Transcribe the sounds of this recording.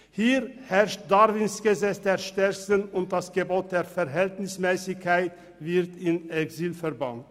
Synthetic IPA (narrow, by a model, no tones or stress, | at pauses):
hiːɾhɛʁʃt̚daɾvɪnsɡ̥əzɛt͡sd̥̪eːɾʃtɛɾsənʊnt̚d̥asɡ̥əboːt̚d̥eːɾfɛɾɦɛltnɪsmɛːsɪçkʰːaɪt | vɪɾtɪnɛksiːlfɛʁbant